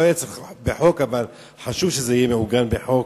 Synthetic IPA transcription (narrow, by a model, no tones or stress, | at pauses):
ojet͡seχbeħo̞kaval | ħaʃuvʃezeijemeuɡanbeħok